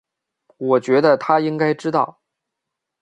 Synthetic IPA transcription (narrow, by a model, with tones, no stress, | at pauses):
wɔ˨˩t͡ɕɥɛ˧˥d̪ə˧t̪ʰa˥i˥ŋka˥ɪʈ͡ʂɻ̩˥t̪ɑ̰˥˩ʊ